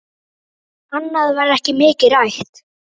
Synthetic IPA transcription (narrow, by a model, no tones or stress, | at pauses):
anːaðvaɾɛhcɪmɪːcɪɾajht̪